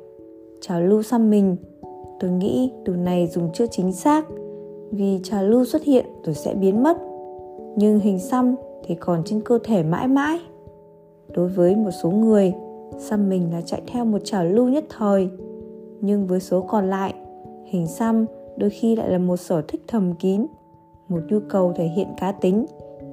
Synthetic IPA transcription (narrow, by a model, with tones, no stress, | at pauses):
t͡ɕaː˨˩wlu˧sa˧mːï˨˩ŋ̟ | t̪o˧jŋḭ˧˥ɗɨ˨˩əwna˨˩jzʊ˨˩ŋ͡mt͡ɕɨ˦˥ət͡ɕï˨˦ŋ̟saː˦˥k̚vi˨˩t͡ɕaː˨˩wlu˧swə˦˥t̚hḭ˧˨ənzo˧jsɛ̰˧˥ɓi˨˦ənmə˦˥t̚ɲɨ˧ŋɦï˨˩ŋ̟sa˧mt̪ʰi˨˩kɔ˨˩nt͡ɕe˧nkəː˧t̪ʰe˧˩ma̰ː˧˥jma̰ː˧˥j | ɗo˨˦jvəː˨˦jmo˨˩t̚so˨˦ŋɨ˨˩əjsa˧mːï˨˩ŋ̟la̰ː˨˩t͡ɕa̰˧˨jt̪ʰɛ˧wmo˨˩t̚t͡ɕaː˨˩lu˧ɲə˦˥t̚t̪ʰəː˨˩j | ɲɨ˧ŋvəː˨˦jso˨˦kɔ˨˩nla̰ː˧˨jʔhï˨˩ŋ̟sa˧mɗo˧jxi˧la̰ː˧˨jlaː˨˩mo˨˩t̚səː˧˩t̪ʰï˦˥k̟̚t̪ʰə˨˩mki˨˦n | mo˨˩t̚ɲu˧kə˨˩wt̪ʰe˧˩ɦḭ˧˨ənkaː˨˦t̪ï˨˦ŋ̟